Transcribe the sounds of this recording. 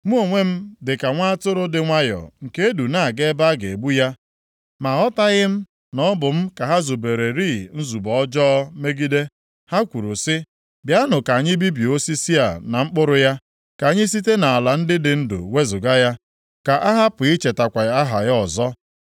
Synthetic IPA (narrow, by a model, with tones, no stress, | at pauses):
mu˦o˨ŋʷe˦m̩˦dɪ˨ka˨ŋʷa˦a˦tʊ˦ɾʊ˦dɪ˨ŋʷa˦jɔ̰˨ŋ̩˨ke˦e˦du˨na˦˨ɡe˦ba˦ɡe˨e˨ɡ͡bu˦ja˦ | ma˨ɔ˦ta˦ɣɪ˦m̩˦ | nɔ˦bʊ˨m̩˦ka˨ɦa˦zu˨be˨ɾe˨ɾi˦˨n̩˦zu˨bɔ˨ɔ˦d͡ʒɔ˦me˦ɡi˦de˦ | ha˦kʷu˨ɾu˨sɪ˦ | bja˦nʊ˨ka˨ɲɪ˦bi˦bi˨o˦si˦si˦a˨na˨ŋ͡m̩˦k͡pʊ˦ɾʊ˦ja˦ | ka˨a˨ɲɪ˦s̬i˦t̬e˦na˨a˨la˨n̩˦dɪ˦dɪ˨n̩˦dʊ̰˨we˦zʊ˨ɡa˦ja˦ | ka˨ʔa˦ɦa˦pʊ˨i˦t͡ʃe˨ta˨kʷa˨˦a˦ɦa˨ɣɔ˨zɔ˦